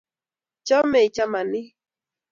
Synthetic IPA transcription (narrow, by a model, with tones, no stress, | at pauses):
t͡ʃɔ˦mɛ˨t͡ʃa˦ma˨nɪ˦